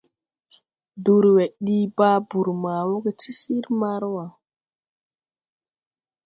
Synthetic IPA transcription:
du˨ɾwɛ˨ɗiː˦baː˦bu˨ɾma˨wo˦ɡɛ˦ti˦si˦ɾma˦ɾwa˨

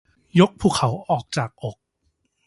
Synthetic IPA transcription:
jo˦˥k̚pʰuː˨˩kʰa˩˦wʔɔː˨˩k̚t͡ɕaː˨˩k̚ʔo˨˩k̚

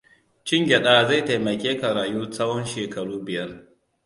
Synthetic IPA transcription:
t͡ʃɪ˦ŋɡʲɛ˨ɗaː˦˨za˦˨ta˨jmɐ˨kʲeː˦ka˨ɾaː˨juː˦sɐ˦wɔ˦nʃeː˨kɐ˨ɽuː˦bɪ˨jɐ˦r

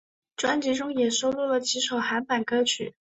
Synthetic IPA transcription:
ʈ͡ʂwa˥nt͡ɕi˧˥ʈ͡ʂʊ˥ŋjɛ˨˩ʂo˥ʊlu˥˩lə˩t͡ɕʰi˧˥ʂo˨˩ʊxa˧˥npa˨˩nkɤ˥t͡ɕʰy̰˨˩˦

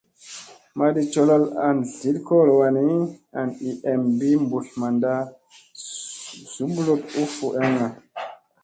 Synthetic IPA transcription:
ma˨di˨t͡ʃo˨la˦la̰˨nɮi˨˦lko˦˨lo˨wa˨ni˦a˨ni˨ʔɛ˨mbi˦mbu˨ɬma˨nda˦ | z̥u˨˦blo˦t̚u˦fu˨ʔe˦ŋa˨

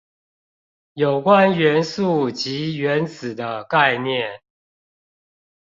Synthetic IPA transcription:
jo˨˩ʊkwa˦nɥɛ˧˦nsu˥˨t͡ɕi˨˥ɥɛ˨˦nt͡sɹ̩˨˩d̪ə˦ka˥˧ɪnjɛ˥˨n

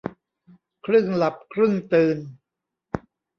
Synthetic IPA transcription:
kʰɾɯ˥˩ŋla˨˩p̚kʰɾɯ˥˩ŋt̪ɯː˧n

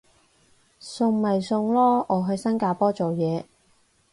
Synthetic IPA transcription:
sʊ˧ŋmɐ˨jsʊ˧ŋlɔː˥ɔː˨˧ɦɵ˧ɥsɐ˥nkaː˧pɔː˥t͡so˨wjɛː˨˧

